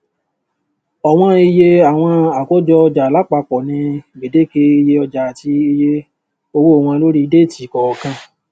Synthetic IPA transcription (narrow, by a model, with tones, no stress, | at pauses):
ɔ˨w̃ɔ̃˧i˧je˧a˨w̃ɔ̃˧a˨ko˨˦d͡ʒɔ˧ɔ˧d͡ʒa˨la˨˦k͡pa˧˨k͡pɔ˨nĩ˧˨ɡ͡be˨de˨˦ke˧i˧je˧ɔ˧d͡ʒa˨ti˧i˧je˧ | o˧wo˦˨w̃ɔ̃˧lo˦ɾi˦i˧de˦˨ti˨kɔ˨ɔ˧kã˧